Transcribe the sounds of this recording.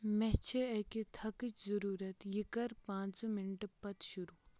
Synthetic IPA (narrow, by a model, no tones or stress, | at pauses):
mɛt͡ʃʰeekit̪ʰɐkit͡ʃzɐɾuːɾɐt̪jikɐɾpãːt͡smɪnʈpɐt̪ʃuɾuː